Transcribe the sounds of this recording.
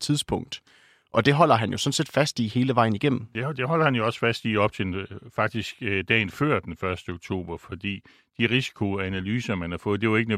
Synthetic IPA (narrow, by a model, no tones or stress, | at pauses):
t͡sʰið̞ˠspʰɔ̽ŋ̰d̥ | ʔɒ̽d̥e̝ɦɒ̽l̰ɐɦænjo̝sɒ̽n̩se̝ːd̥fæsd̥ihe̝ːləʋɑ̈ɪ̰niɡ̥em̰m̩d̥ed̥e̝ɦɒ̽l̰ɐhænjo̝ɒ̽sfæsd̥iɒ̽b̥̚t͡sʰe̝fɑ̈ɡ̥̚d̥isɡ̥d̥ɛ̰ːnføɐ̰d̥enfɶɐsd̥əoɡ̥t͡sʰo̝̰ːb̥ɐfɒ̽d̥ḭː | d̥iʁisi̥kʰo̝ænælyːsɐmænhɑ̈fɔ̽ːð̩ˠd̥e̝joe̝ɡ̥ənø